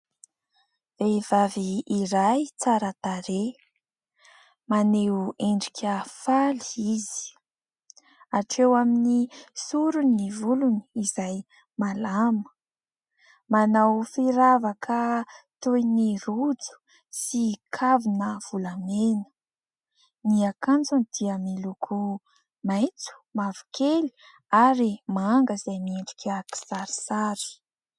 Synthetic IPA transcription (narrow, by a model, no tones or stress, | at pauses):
v̥ev̥aviːɾajt͡saɾət̪aɾe | maneeɳɖ͡ʐikʰʲəfaliiz̥i̥ | aʈ͡ʂewaminisuɾunivuluniizaj | malamə̥ | manawfiɾavakʰət̪ojnirud͡zu̥ | sikʰavinəv̥ulamenə̥ | niakant͡sund̪̥iəmilukʰu | majt͡su̥mavu̥kʰeli̥ | aɾimaaŋɡəzajmiiɳɖ͡ʐi̥kʲaki̥saɾi̥saɾi̥